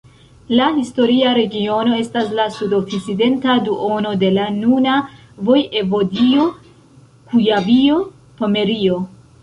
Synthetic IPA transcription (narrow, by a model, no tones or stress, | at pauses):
lahisto̞ɾiaɾe̞ɡio̞no̞e̞staslasudokiside̞ntaduʔono̞de̞lanuna | vo̞je̞vo̞dio̞ | kujavio | pome̞ɾio̞